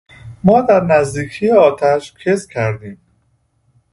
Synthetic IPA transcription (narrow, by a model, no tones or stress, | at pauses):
mɒːd̪æɾnæzd̪iːcʰiːjeɒːt̪ʰæʃcʰeskʲʰæɾd̪iːm